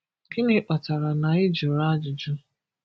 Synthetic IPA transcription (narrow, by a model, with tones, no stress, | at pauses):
kɪ˦nɪ˦k͡pa˨ta˨ɾa˨na˨ɪ˦d͡ʒʊ˨ɾa˦d͡ʒʊ˨d͡ʒʊ˦